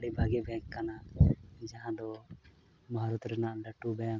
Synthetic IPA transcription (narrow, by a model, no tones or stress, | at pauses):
ɽibʱaɡɛbɛkkanad͡ʒaɦãd̪ɔ | maɦaɾɔt̪ɾɛnaʔɖaʈubɛja